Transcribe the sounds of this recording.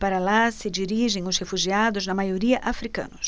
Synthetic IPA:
paɾɐlasɪd͡ʒiɾiʒẽj̃ʊshefuʒiad̪ʊznɐmajoɾiɐʔafɾikɐ̰̃nʊs

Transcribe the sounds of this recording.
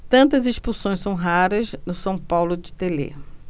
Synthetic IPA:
t̪ɐ̃nt̪ɐziʃpusõj̃sɐ̃w̃ɦaɾɐznʊsɐ̃w̃pawlʊd͡ʒɪt̪elḛ

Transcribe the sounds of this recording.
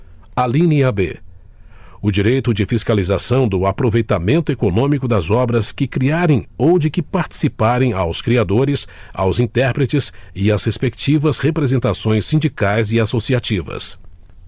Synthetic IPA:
alĩniɐbḛ | ʊd͡ʒiɾejt̪ʊd͡ʒɪfiskalizasɐ̃w̃d̪ʊapɾovejt̪amẽnt̪ʊekonõmikʊd̪ɐzɔbɾɐskɪkɾiaɾẽj̃owd͡ʒɪkɪpaɾt͡ʃi̥sipaɾẽj̃awskɾiad̪oɾɪsa̰wzĩnt̪ɛɾpɾet͡ʃɪsɪɐshespekt͡ʃivɐshepɾezẽnt̪asõj̃sĩd͡ʒikajzɪasosiat͡ʃivɐ̰s

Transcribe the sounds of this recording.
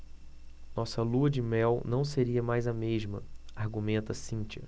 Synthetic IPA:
nɔsɐluɐd͡ʒɪmɛwnɐ̃w̃seɾiɐmajzɐmeʒmɐ̰aɾɡumẽnt̪ɐsĩt͡ʃiɐ̰

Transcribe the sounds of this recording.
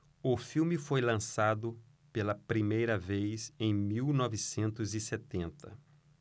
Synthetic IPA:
ʊfiwmɪfojlɐ̃sad̪ʊ | pelɐpɾimejɾɐvejsẽj̃miwnɔvɪsẽnt̪ʊzɪset̪ẽnt̪ɐ

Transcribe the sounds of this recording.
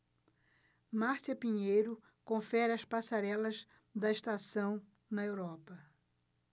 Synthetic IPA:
maɾsɐpiɲejɾʊ | kõfɛɾɐspasaɾɛlɐz | d̪ɐɪʃst̪asɐ̃w̃ | nɐewɾɔpɐ

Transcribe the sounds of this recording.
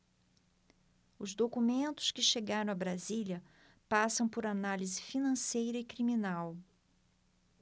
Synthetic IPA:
ʊzd̪okumẽnt̪ʊ̥skɪʃeɡaɾɐ̃w̃ɐbɾazilɐ | pasɐ̃w̃pʊɾanalizɪfinɐ̃sejɾɐɪkɾiminaw

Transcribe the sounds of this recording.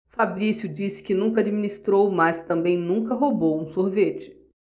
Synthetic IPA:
fabɾisjʊd͡ʒisɪ̥kɪnũkɐad͡ʒiminist̪ɾowmɐst̪ɐ̃mbẽj̃nũŋkɐɦobowũsoɾvet͡ʃɪ̥

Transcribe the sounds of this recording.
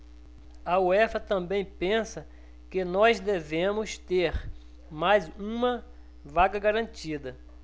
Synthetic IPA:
ɐoɛfɐt̪ɐ̃bẽj̃pẽsɐ | kɪnɔzd̪evẽmʊst̪eɾ | majzũmɐ | vaɡɐɡaɾɐ̃t͡ʃid̪ɐ

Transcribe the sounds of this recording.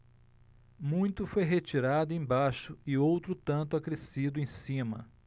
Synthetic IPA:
mũj̃t̪ʊfojɦet͡ʃiɾad̪ʊẽj̃baʃʊɪowt̪ɾʊt̪ɐ̃nt̪ʊakɾesid̪ʊẽj̃sĩmɐ̰

